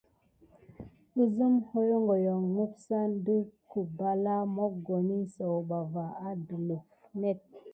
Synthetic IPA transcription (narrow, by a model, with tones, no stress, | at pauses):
i˦zə˦mho˦jŋɡo˨jɔ˨ŋŋu˦psa˦n˦də˦ku˨ba˨la˦mɔ˦k̚ɡo˨ni˦sə˨wba˨va˨a˦du˨lo˨fnɛ˦t̚